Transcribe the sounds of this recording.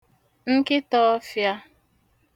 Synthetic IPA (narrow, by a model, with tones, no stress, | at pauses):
ŋ̩˦kɪ˦tɔ˦fja˦